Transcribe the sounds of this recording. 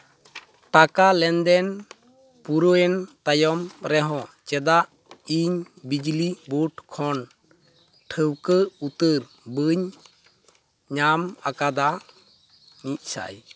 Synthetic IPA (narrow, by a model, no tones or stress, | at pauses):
ʈakalɛnd̪ɛn | puɾoɛnt̪ajɔmɾɛɦɔ̃t͡ʃɛd̪aʔ | iɲ | bid͡ʒlibuʈkʰɔn | ʈʰəwkəut̪əɾ | bəɲ | ɲamakad̪a | nic̚ˀsa̰j